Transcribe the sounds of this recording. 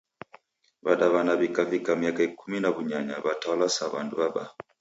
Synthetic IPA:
baɗaβanaβikavikamiakaikuminaβuɲaɲa̰βatawalasaβa̰nduβaɓa̰

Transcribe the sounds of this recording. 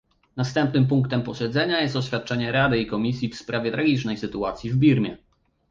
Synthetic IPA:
nast̪ɛmpnɘmp̬uŋkt̪ɛmpɔɕɛd̪zɛɲajɛst̪ɔɕfʲjat̪̚t͡ʂɛɲɛɾad̪ɘikɔmʲisʲjifspɾavʲjɛt̪ɾaɡʲit͡ʂnɛjsɘt̪uat̪sʲjivbʲiɾmʲjɛ̰

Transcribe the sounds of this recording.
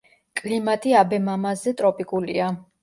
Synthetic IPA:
kʼlimat̪ʼiabɛmamazɛt̪ʼɾɔpʼikʼulḭa

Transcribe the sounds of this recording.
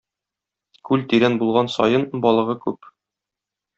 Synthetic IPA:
kʉlt̪iɾænbulˠʁɑnsɒ̰jɤnbɒlˠɤ̆ʁɤkʉp

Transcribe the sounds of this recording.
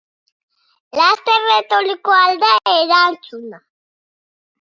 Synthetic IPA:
last̪eret̪olikoald̪aʔeɾant͡ʃuna

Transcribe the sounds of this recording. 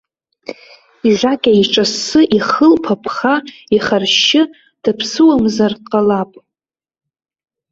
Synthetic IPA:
iʒʷakʲʼaiʈ͡ʂʼasɨʔiχəlpʰapʰχaiχarʃɪ | d̥apʰsɨwamzarqʼalapʼ

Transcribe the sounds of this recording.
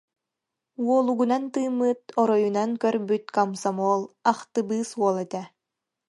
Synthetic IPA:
uɔlˠuɡunant̪ɯːmːɯt̪ɔɾɔjunaŋkœɾbyt̪kamsamɔːlˠaχt̪ɯbɯːsuɔlˠɛt̪ɛ

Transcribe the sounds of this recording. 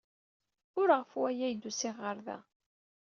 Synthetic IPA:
ʊɾʁəfuwæjæjd̪usɪʁːəɾðæ̰

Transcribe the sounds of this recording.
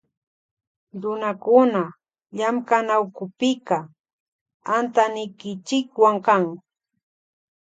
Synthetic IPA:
ɾʊnakʊna | ʎamkanawkʊpɪka | ant̪anɪjkɪt͡ʃɪkwaŋkaŋ

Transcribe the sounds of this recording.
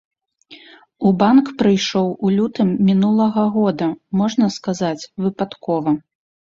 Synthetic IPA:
ubankpɾɨjʂɔwulʲut̪ɨmːʲinulˠɐɣɐɣɔd̪ɐmɔʐnɐskazat͡sʲvɨpat̪kɔvɐ

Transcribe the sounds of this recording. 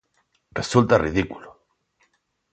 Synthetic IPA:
result̪ariðikulo

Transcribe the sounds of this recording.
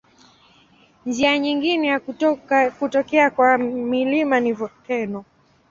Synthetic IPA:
ɲd͡ʒiaɲiŋɡinɛja | kutɔkɛakwamilimanivkɛnɔ

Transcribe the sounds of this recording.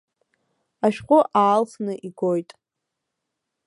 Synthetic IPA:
aʃᶣqʷʼʊʔaːlfnɨʔiɡojtʼ

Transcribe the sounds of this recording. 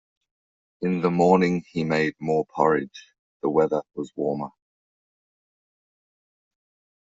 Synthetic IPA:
ɪ̃nðəmɔːnɪ̃ŋimeɪd̚mɔːpʰʌɹɪ̥d͡ʒ | ðəwɛðəwɒzwɔːmə

